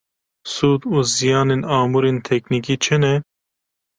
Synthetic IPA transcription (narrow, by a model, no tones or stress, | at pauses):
suːd̪uːzijɑːneːnɑːmuːɾeːnt̪ʰɛknik̬iːt͡ʃʰɨnɛ